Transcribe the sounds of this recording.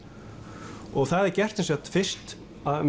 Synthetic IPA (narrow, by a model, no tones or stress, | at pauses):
ɔɣθaðɛɾcɛr̥t̪ɪnsjɛt̪fɪr̥t̪ | aðm